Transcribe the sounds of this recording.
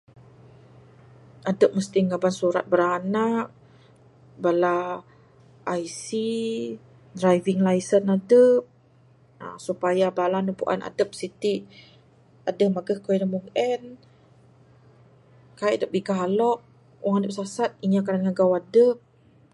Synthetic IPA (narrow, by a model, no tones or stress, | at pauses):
adəp̚məst̪iŋabansuɾa̰t̪̚bəɾanak̚ | bala | ʔːjsi | dɾajviŋlajsənadəp̚ | a̰supajabalanəpṵʔa̰na̰dəp̚sit̪iʔ | adəmaɡəhkoinəmuŋɛn | kajʔdəp̚biɡaalɔʔ̚ | wʔaŋadəp̚sasat̪̚iɲakadanŋaɡawadəp̚